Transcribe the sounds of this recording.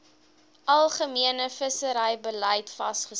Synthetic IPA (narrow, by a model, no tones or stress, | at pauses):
ʔɐlˠχəmiənəfəsəɾəjbələjtfɐsχə